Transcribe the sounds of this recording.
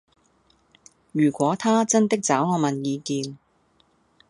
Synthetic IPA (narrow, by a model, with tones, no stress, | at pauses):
jyː˨˩kʷɔː˨˥t̪ʰaː˥t͡sɐ˥nt̪ɪ˥k̚t͡saː˨˥wŋɔː˨˧mɐ˨njiː˨˧kiː˨n